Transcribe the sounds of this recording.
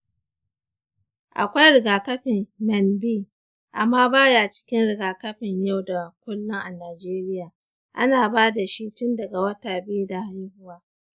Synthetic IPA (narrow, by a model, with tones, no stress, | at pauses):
ʔa̰˨kʷa˦jɾɪ˨ɡaː˨kɐ˦ɸɪ˨mmɛ˨nbiː˦˨ | ʔa˨mːaː˦baː˦jaː˨t͡ʃɪ̥˦kʲɪ˦nɽɪ˨ɡaː˨kɐ˦ɸɪ˨ɲja˦˨wda˨kʷʊ˦lːʊ˦ŋʔa˨naː˨d͡ʒeː˦ɾɪ˦jaː˨ | ʔa̰˦naː˨baː˦da˨ʃi˦tʊ˦ndɐ˨ɡa˨wɐ˦taː˨bɪ˦u˦da˨ha˦jhʊ˦waː˦